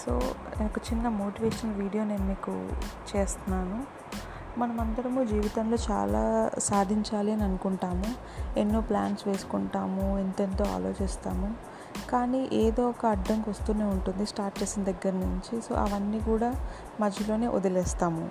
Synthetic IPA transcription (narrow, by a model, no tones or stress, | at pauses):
so̰ːneːnɐkut͡ʃinːɐmo̞ːʈiʋeːʂɐnɐlʋiːɽijo̞ːneːnmiːkṵt͡ʃeːst̪unːaːnu | mɐnɐmɐnt̪ɐɾɐmud͡ʒiːʋit̪ɐnlo̞ːt͡ʃa̰ːla̰ːsaːd̪ʱiɲt͡ʃaːliɐniɐnukuɳʈaːmu | e̞nːuːpla̰ːnsʋe̞ːsu̥kuɳʈaːmuinʈ̪ent̪oːa̰ːlo̞̰ːt͡ʃeːst̪aːmu | kaːniːʔeːd̪oːɔkɐɐɖːɐŋkʋɐst̪uːneːuɳʈund̪isʈaːɾʈt͡ʃeːsinɐd̪ɐɡːɐɾɐnuɲt͡ʃiso̞̰ːʔɐ̰ʋɐnːiːkuːɽaː | mɐd͡ʒʱjɐlo̞ːne̞ːʔod̪ɐlɛːst̪aːmṵ